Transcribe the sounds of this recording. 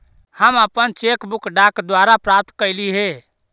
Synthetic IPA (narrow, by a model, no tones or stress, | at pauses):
həməpənt͡ʃekbukɖakd̪waɾapɾap̚t̪kəjliɦe